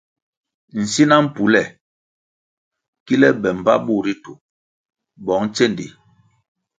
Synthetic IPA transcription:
n̩˨si˦na˦m̩˦˨pu˨˦lɛ˦˨ | ki˦lɛ˦bɛ˨m̩˨ba̰˦ɓu˦˨ɾi˦tu˨ | bɔ˨˦ŋ˦t͡ʃɛ˦˨ndḭ˨

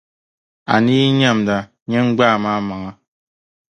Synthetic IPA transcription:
a̰˨ni˦ɲa˦˨m˨da˨ | ɲe˦ŋ͡m̩˦ɡ͡baː˦˨ma˦ma˨ŋa˦

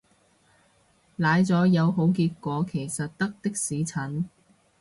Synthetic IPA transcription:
laː˨˧jt͡sɔː˨˥jɐ˨˧wɦo˨˥wk̬iː˧t̚kʷɔː˨˧kʰe˨˩jsɐ˨t̚t̪ɐ˥k̚t̪ɪ˥k̚siː˨˥t͡sʰɐ˨˥n

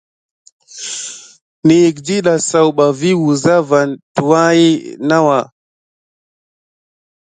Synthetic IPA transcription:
ni˨ji˨kdi˦ɗa˨sa˨wɓa˨vi˦wu˨za˦va˨ntu˨wa˦ji˦na˦wa˨

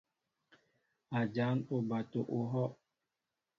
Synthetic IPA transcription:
a˨d͡ʒa˨˦no˨ba˨to˨ʔo˨ɦɔ˦

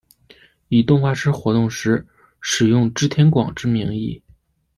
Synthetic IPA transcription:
i˨˩t̪ʊ˥˧ŋxwa˥˩ʈ͡ʂʰɻ̩˥xwɔ˧˥t̪ʊ˥˩ŋʂɻ̩˧˥ | ʂɻ̩˨˩jʊ˥˩ŋʈ͡ʂɻ̩˥t̪ʰjɛ˧˥nkwɑ̰˨˩ŋʈ͡ʂɻ̩˥mi˧˥ŋḭ˥˩

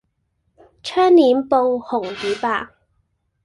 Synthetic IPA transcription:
t͡ʃʰœː˥ŋniː˨˥mpo˧whʊ˨˩ŋjyː˨˥paː˧k̚

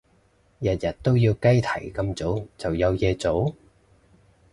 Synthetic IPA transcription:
jɐ˨t̚jɐ˨t̚t̪o˥wjiː˧wkɐ˥jt̪ʰɐ˨˩jkɐ˧mt͡so˨˥wt͡sɐ˨˩wjɐ˨˧wjɛː˧t͡so˨˥w

